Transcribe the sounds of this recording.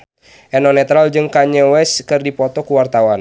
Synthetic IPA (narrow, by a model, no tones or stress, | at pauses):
ʔɛnɔnɛt̪ɾald͡ʒɨŋkaɲəwɛskɨrdipɔt̪ɔkuwart̪awan